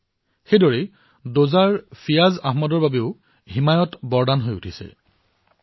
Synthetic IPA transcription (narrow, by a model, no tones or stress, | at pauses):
xejdɔɹɛ | dozaɹpʰijazaɦmɔdɔɹbabeʊ | ɦimajɔtbɔɹdanɦojutʰisɛ̰